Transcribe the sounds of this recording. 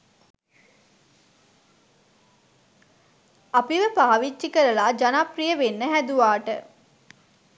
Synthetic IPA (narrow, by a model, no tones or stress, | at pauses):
apiʋəpaːʋit͡ʃʃikəɾəlaːd͡ʒanaprijəʋenːəɦæd̪uʋaːʈə̰